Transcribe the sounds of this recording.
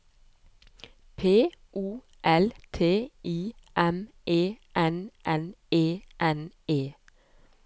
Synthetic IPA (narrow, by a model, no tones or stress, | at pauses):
pʰeːʔuː | ʔɛlt̪ʰeːʔiːʔɛm | ʔeːʔɛnʔɛneːʔɛneː